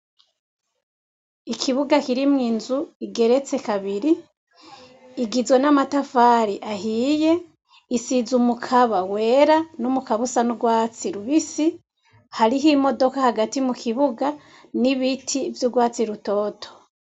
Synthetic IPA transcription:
ikʰiβuɡakiɾimŋiːnzuiɡe̞ɾe̞t͡se̞kaβiɾi | ɡizwe̞namatafaːɾiʔahiːje̞ | isizumukʰaβawe̞ːɾanumukaβusanuɡwaːt͡siɾuβisi | haɾiɦimo̞do̞kahaɡatimukʰiβuɡa | niβitʰivjuɡwaːt͡siɾuto̞ːtʰo̥

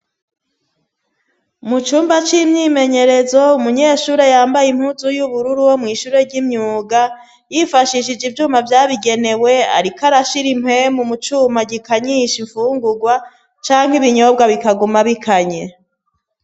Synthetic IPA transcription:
mut͡ʃuːmbat͡ʃimɲiːme̞ɲe̞ɾe̞zo̞umuɲeːʃuɾe̞jaːmbajim̥huzujuβuɾuɾuwo̞mŋiːʃuːɾe̞ɾɟimɲuːɡa | jifaʃiʃid͡ʒivjuːmavjaːβiɡe̞ne̞we̞a̰ɾikaɾaʃiɾim̥hemumut͡ʃuːmaɟikaɲiːʃiɱfuːŋɡuɡwa | t͡ʃaːŋɦiβiɲo̞b̚ɡaβikaɡumaβikʰaɲe̞

